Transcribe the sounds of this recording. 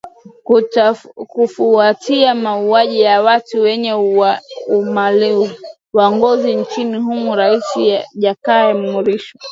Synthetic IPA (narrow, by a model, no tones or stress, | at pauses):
k | kufuatʰiamauaʄijawatuwɛɲɛ | umali | waŋɡɔzint͡ʃiniɦumuɾaisiaʄakaːɛm̩muɾiʃa